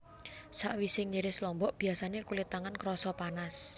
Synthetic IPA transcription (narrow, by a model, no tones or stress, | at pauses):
saʔwisɪŋɲəɾɪslɔmbɔʔb̥i̤asanekulit̪aŋankɾɔsɔpanas